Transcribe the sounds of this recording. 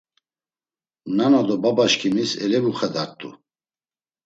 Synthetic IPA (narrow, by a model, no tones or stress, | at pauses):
nanad̪ɔbabaʃkʰimisɛlɛvuχad̪aɾt̪ʼṵ